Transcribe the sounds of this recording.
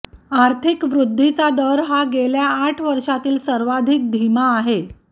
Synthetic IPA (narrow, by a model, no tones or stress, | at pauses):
aɾt̪ʰikʋɾud̪ʱːit͡sad̪əɾɦaɡeljaːʈʰʋəɾʂat̪iːlsəɾʋad̪ʱik̚d̪ʱimaːɦe